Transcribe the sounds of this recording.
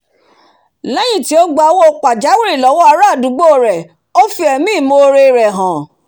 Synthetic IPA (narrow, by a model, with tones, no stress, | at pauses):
lɛ˦j̃ĩ˦˨ti˨˦o˦ɡ͡ba˧˦wo˦o˧k͡pa˨d͡ʒa˨˦wi˦ɾi˦˨lɔ˨˦wɔ˦a˧ɾa˦˨dũ˨˦ɡ͡bo˦˨ɾɛ˨ | o˦fi˧ɛ˧mĩ˦˨mo˧ɾe˧ɾɛ˨ɦã˨